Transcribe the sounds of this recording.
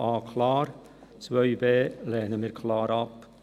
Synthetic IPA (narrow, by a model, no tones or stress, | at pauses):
ɑːkʰlɑːɾ | t͡sʋœʏbeːlɛːnəmiːɾkʰlɑːɾɑp